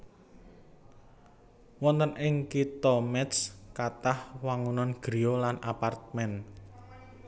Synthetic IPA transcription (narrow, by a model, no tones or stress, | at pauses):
wɔnt̪ənʔɪŋkit̪ɔmɛt̪skat̪ahwaŋunɔnɡ̥ɾiolanapart̪̚mɛn